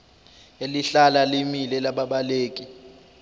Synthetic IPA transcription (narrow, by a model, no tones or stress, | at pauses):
eliɬalalimilɛlaɓaɓaleːkʼi